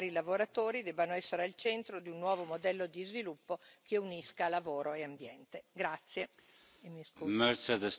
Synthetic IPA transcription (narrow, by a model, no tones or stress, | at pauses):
ɾilavoɾat̪oːɾid̪ɛbanoɛsːeɾealt͡ʃɛnt̪ɾod̪iunːwɔːvomod̪ɛlːod̪izvilupːokeuniskalavoːɾoeambjɛnt̪eɡɾat̪sːje | emismɛɾsed̪əs